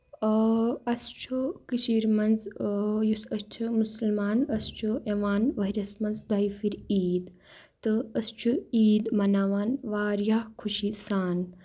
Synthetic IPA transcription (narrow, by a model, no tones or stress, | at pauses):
ɐst͡ʃʰukit͡ʃiːɾmɐnzjusɐst͡ʃʰumusɐlmaːnɐst͡ʃʰueʋaːnʋɐɦiɾʲɐsmɐnzd̪ɐifiɾiːd̪ | t̪ɨɐst͡ʃʰuiːd̪mɐnaːʋaːnʋaːɾjaːkʰuʃisaːn